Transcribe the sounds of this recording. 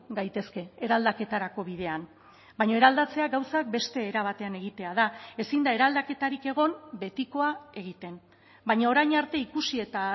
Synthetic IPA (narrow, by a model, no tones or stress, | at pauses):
ɡajt̪e̞ske̞ːɾald̪ake̞t̪aɾako̞βiðe̞an | bajɲo̞e̞ɾald̪at͡se̞aɡawsak̚be̞st̪e̞ːɾaβ̞at̪e̞ane̞ɣit̪e̞að̞ae̞sind̪ae̞ɾald̪ake̞t̪aɾike̞ɣ̞o̞mbe̞t̪iko̞ae̞ɣ̞it̪e̞n | bajɲaoɾajɲaɾt̪e̞ikusie̞t̪a